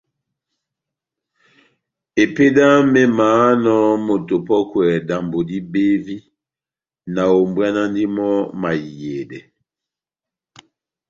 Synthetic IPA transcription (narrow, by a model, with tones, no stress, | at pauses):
e˨pe˦da˦mɛ˦maː˨˦nɔ˦mo˨to˨pɔ˦kwɛ˨da˨mbo˨di˦be˦vi˦ | na˨o˨mbwa˦na˦ndi˦mɔ˦ma˨je˨dɛ˨